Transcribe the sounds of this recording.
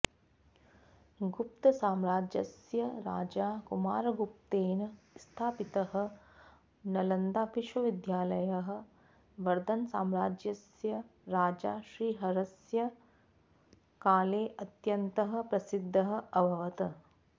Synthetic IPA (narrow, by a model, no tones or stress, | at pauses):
ɡup̚t̪ɐsaːmɾaːd͡ʒjɐsjɐɾa̰ːd͡ʒaːkumaːɾɐɡup̚t̪eːnɐ | st̪ʰaːpit̪ɐɦɐ̆ | nɐlɐnd̪aːpiʃʋɐʋid̪jaːlɐjɐɦɐ̆ | ʋɐɾd̪ɐnsaːmɾaːd͡ʒjɐsjɐɾaːd͡ʒa̰ːʃɾiːɦɐɾɐsjɐ | kaːleːʔɐt̪jɐnt̪ɐɦɐ̆pɾɐsid̪ʱːɐɦɐ̆ɐbʱɐʋɐt̪ɐ